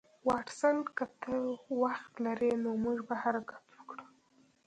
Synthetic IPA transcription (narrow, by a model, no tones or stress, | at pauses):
wɑʈsankət̪əwaxt̪laɾenomuʐbahaɾakḁt̪wəkɽə